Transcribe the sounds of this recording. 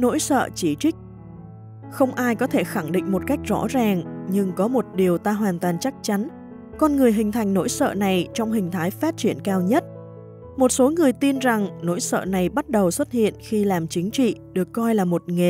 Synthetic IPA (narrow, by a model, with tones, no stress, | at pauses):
no̰˧˥jsə̰ː˧˨t͡ɕi˧˩t͡ɕï˦˥k̟̚ | xə˧wŋ͡mʔaː˧jkɔ˨˦t̪ʰe˧˩xa˧˩ŋɗḭ̈˧˨ŋ̟mo˨˩t̚ka˦˥jk̟̚z̥ɔ̰˧˥zaː˨˩ŋɲɨ˧ŋkɔ˨˦mo˨˩t̚ɗi˨˩əwt̪aː˧ɦwaː˨˩nt̪waː˨˩nt͡ɕa˦˥k̚t͡ɕa˨˦n | kɔ˧nŋɨ˨˩əjɦï˨˩ŋ̟t̪ʰa˨˩jŋ̟no̰˧˥jsə̰ː˧˨na˨˩jt͡ɕɔ˧wŋ͡mɦï˨˩ŋ̟t̪ʰaː˨˦jfaː˦˥t̚t͡ɕi˧˩ənkaː˧wɲə˦˥t̚ | mo˨˩t̚so˨˦ŋɨ˨˩əjt̪i˧nza˨˩ŋno̰˧˥jsə̰ː˧˨na˨˩jɓa˦˥t̚ɗə˨˩wswə˦˥t̚hḭ˧˨ənxi˧laː˨˩mt͡ɕï˨˦ŋ̟t͡ɕḭ˧˨ɗɨ˨˩əkːɔ˧jlaː˨˩mo˨˩t̚ŋe˨˩